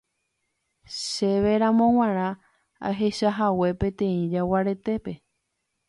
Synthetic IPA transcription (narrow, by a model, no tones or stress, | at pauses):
ʃeʋe̞ɾãmõ̞w̃ãɾ̃ã | a̰ɦe̞ʃaɦawe̞pẽ̞t̪ẽ̞ĩd͡ʒawaɾe̞t̪e̞pe̞